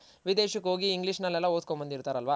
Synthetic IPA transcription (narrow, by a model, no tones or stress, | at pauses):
ʋid̪eːʃɐkɦo̞ːɡiːŋɡliʂnɐlːɛlːɐoːd̪̚kombɐnd̪iɾt̪aːɾɐlʋa